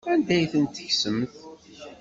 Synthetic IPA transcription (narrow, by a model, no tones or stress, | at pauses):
ænd̪æjθənt̪ːəçsəmθ